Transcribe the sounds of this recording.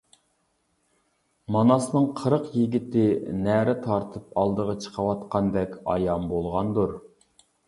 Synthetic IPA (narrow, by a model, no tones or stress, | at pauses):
mɑnɑsnɨŋqʰəɾəqjiɡʲit̪ɪnæɾɪt̪ʰɑɾt̪ʰɨpɑlˠd̪əʁɑt͡ʃʰə̥qʰəwɑt̪qɑnd̪ɛkʲɑ̰jɑmbolˠʁɑnd̪uɾ